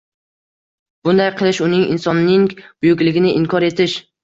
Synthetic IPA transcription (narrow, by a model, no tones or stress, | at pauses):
b̥ʊnd̪ajqʰɨlˠɪʃʊnɪŋɪ̰nsɒnːɪŋb̥ʊjʊkʲlɪɡʲɪnɪʔɪŋkʰɒɾe̞t̪ʰɪʃ